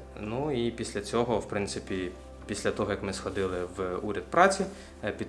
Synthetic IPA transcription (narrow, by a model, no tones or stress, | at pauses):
nuipʲisʲlʲɐt͡sʲɔɦɔwpɾɪnt̪sɪpʲi | pʲisʲlʲɐt̪ɔɦɔjɐkmɪsxɔd̪ɪlˠɪwuɾʲɐd̪̚pɾɑt͡sʲi | pʲid̪